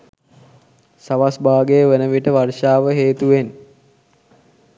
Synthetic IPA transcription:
saʋasbaːɡejəʋenəʋiʈəʋarʂaːʋəɦeːt̪uʋen

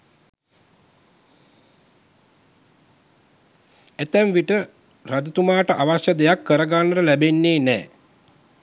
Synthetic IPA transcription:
æt̪æmʋiʈə | rad̪ət̪umaːʈəʔaʋaʃjəd̪ejakːəɾəɡanːəʈəlæbenːeːnɛː

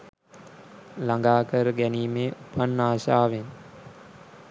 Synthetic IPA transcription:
laŋɡaːkəɾəɡæniːmeːʔupʰanːaːʃaːʋen

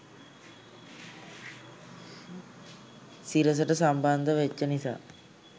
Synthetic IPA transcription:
siɾəs̬əʈəsamband̪əʋet͡ʃːənisa̰ː

